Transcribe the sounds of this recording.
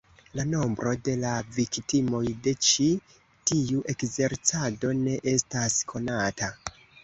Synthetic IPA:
lano̞mbɾo̞de̞laviktimo̞jde̞t͡ʃi | tiuʔe̞kze̞ɾt͡sado̞ne̞ʔe̞staskʰo̞nata

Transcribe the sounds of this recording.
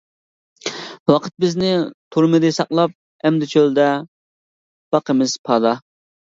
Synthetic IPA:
wɑqʰət̪̚bɪznɪt̪ʰuɾmɨd̪ɨsɑqlˠɑp̚ | ɛmd̪ɪt͡ʃʰøld̪ɛ | b̥ɑqʰəmɪz̥pʰɑːd̪ɑ

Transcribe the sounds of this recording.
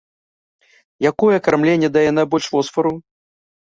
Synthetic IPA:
jakɔjɛkarmlʲenʲːɛd̪ɐjɛnabɔlʲʂfɔsfɐɾu

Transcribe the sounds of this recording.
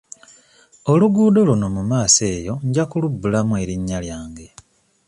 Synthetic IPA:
o̞luɡuːdo̞luno̞mumaːse̞ːjo̞ɲɟakulubːulamwe̞ːɾiɲːaljaːŋɡe̞

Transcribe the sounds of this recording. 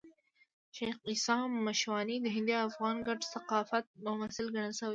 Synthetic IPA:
ʃejxisɑːmːaʃwɑːnid̪əɦɪ̃nd̪iaːfɣɑːnɡaʈsaqɑːfat̪̚mʊmasɪlɡaɳalsəwa

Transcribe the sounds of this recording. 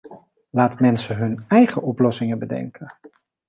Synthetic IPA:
laːtmɛnsəɦɵnɛjχəʔɔplɔsɪŋəbədɛ̰ŋkʰə

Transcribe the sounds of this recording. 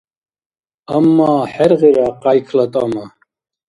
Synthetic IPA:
amːaːħɛɾʁiɾaqajkʰlat̪ʼama

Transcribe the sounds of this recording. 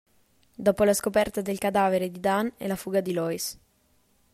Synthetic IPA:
d̪ɔːpolaskopɛrt̪ad̪elkad̪aːveɾed̪id̪anɛ̰lafuːɡad̪ilɔis

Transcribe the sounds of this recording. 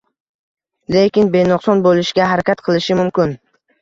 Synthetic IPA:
lekʲɪnbe̞nɒqsɒnbolˠɪʃɡʲaɦaɾakʲat̪qʰɨlˠɪʃɪmʊmkʲɪn

